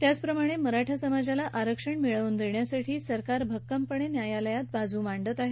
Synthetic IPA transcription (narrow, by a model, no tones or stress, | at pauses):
t̪jat͡spɾəmaɽ̃eməɾaʈʰasəmad͡zalaʔaɾəkʂəɳmiɭəʋund̪eɳjasaʈʰiːsəɾkaɾbʱəkːəmpəɳenjajaləjat̪̚bad͡zuːʋaɳɖət̪aɦe